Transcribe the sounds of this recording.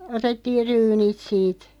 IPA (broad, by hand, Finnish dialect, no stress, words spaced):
otetːiːr̆ ryːnit siːt